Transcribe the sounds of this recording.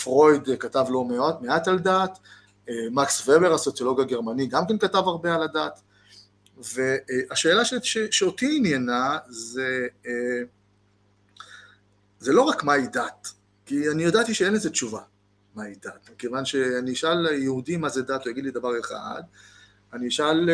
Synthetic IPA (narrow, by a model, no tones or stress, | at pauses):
fʁo̞jd̪katavlo̞meotmeataldat̪ | emaksvebeʁaso̞t͡sjo̞lo̞ɡaɡe̞ʁmaniɡamkenkatavaʁbe̞aladat̪ | ve̞aʃe̞ːlaʃeʃeʃeotiinjanaze | zelo̞ʁakmaidat | kianijodat̪iʃee̞nezett͡ʃuva | maid̪at̪mikevanʃe̞aniiʃaljehudimazedatojaɡid̪lid̪avaʁe̞χa̰d̪ | aniʃal